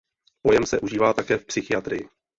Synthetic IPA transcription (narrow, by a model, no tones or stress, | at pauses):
po̞jɛmsɛʔuʒiːvaːt̪akɛːfpsɪxɪat̪ɾɪjɪ